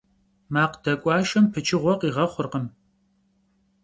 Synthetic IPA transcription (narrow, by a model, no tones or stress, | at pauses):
maːqd̥ɐkʷʼɑːʃɐmpʰɨt͡ʃʰʼɪʁʷɔqiːʁɐχʷʊrqəm